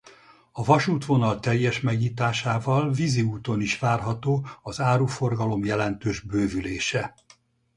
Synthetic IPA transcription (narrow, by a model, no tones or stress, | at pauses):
ɒvɒʃuːt̪ʋo̞nɒlt̪ɛjːɛʃmɛɡɲiːt̪aːʃaːvɒlviziuːt̪o̞niʃʋaːrɦɒt̪oːɒzaːɾuːfo̞rɡɒlo̞mjɛlɛnt̪øːʒbøːvyleːʃɛ